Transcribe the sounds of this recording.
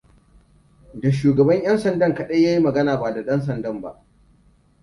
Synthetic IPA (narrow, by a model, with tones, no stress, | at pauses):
da˨ʃ̬uː˨ɡɐ˨bɐ˦ɲj̰ɐ˦nsɐ˨ndɐ˦˨ŋkɐ˨ɗe˦jaː˦ji˦mɐ˨ɡɐ˦naː˨ba˨da˨ɗɐ˦ns̬ɐ˨ndɐ˦mba̰˦ʔ